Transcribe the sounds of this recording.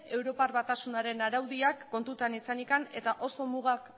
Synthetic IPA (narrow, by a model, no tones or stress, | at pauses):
e̞wɾo̞parβat̪asunaɾe̞naɾawðiakːo̞nt̪ut̪anisanikane̞t̪aʔo̞so̞muɣ̞ak